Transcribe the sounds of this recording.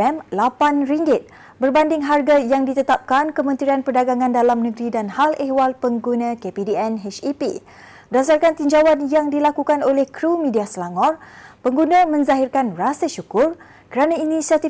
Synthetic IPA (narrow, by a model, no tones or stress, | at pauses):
ɛmlapanriŋɡɪt̪̚ | bərbandɪŋɦarɡajaŋdit̪ət̪ap̚kankəmə̃nt̪ɾianpərdaɡaŋãndalamnəɡɾidanhalʔehwalpəŋɡunãkepidiɛnɦɛt͡ʃipḭ | dasarkant̪iɲd͡ʒawanjaŋdilakukanolɛhkɾumĩdiasəlaŋɔrpəŋɡunãmə̃nzaɦirkanrasaʃukʊr | kəɾanãinisiat̪i